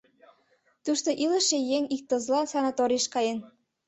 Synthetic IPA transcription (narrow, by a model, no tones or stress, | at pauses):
t̪uʃt̪oʔilə̆ʃejeŋik̚t̪ŏzlɑsɑnɑt̪oɾiʃkɑjen